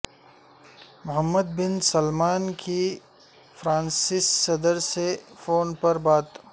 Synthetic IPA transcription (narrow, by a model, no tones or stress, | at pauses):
mʊɦəmːəd̪̚bɪnsɐlmaːnkʰi | fɾãːnsɪsːɐd̪əɾsefoːnpɐɾbaːt̪